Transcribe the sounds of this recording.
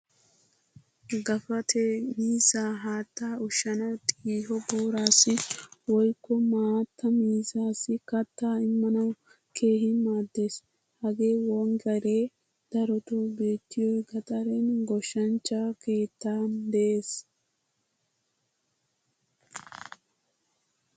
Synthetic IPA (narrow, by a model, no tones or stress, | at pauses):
ɡɐfɐt̪ʰemiːzaːɦaːt̪ːaːʊʃːɐnɐwt̪ʼiːhɔbɔːɾaːsːɪwɔjkːɔmaːt̪ːɐmiːzaːsɪkɐt̪ːaːɪmːɐnɐw | kʰe̞ːhɪmaːd̪ːe̞ːs | hɐɡe̞ːwɔŋɡɛɾeː | d̪̥ɐɾɔt̪ʊbe̞ːt̪ːɪjɔjɡɐt̪ʼɐɾɛnɡɔʃːɐnt͡ʃːake̞ːt̪ːaːnd̪ɛʔeːs